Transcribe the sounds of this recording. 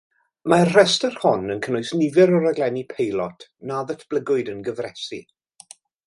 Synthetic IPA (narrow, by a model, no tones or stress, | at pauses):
marr̥ɛstərhɔnənkʰənʊɨsnɪvɪɾɔɾaɡlɛnipʰejlˠɔtʰnaðətʰb̥ləɡʊɨdənɡəvrɛsḭ